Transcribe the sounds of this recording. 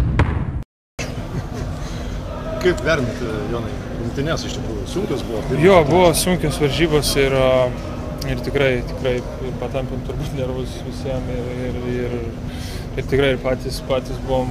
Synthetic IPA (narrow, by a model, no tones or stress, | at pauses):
kɐɪpʋʲæːɾʲnɐt̪ʲɪjoːnɐɪ | jɪŋʲt̪ʲɪnʲɛsɪʃt̪ʲɪkɾuːjʊsuŋʲkʲoːsbʊʋɔːt̪ɪjoːbʊʋosʊŋʲkʲoːsʋɐɾʲʒʲiːboːsɪɾɐ | ɪrt̪ʲɪkɾɐɪt̪ʲɪkɾɐɪ | ɪrpɐt̪ɐmʲpʲɪnt̪ʊɾbut̪ʲnʲɛɾʋʊsʋʲɪsʲiɛmɪrɪrɪr | ɪɾt̪ʲɪkɾɐɪɪrpɑːt̪ʲiːspɑːt̪ʲiːsbʊʋom